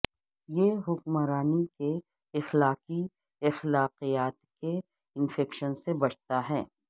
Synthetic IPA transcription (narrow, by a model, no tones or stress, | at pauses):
jeɦʊkmaɾaːnike | ɪxlaːqi | ɪxlaːqijaːt̪ke | ɪnfʰɛːkʃənsebɐt͡ʃʰt̪aɦɛː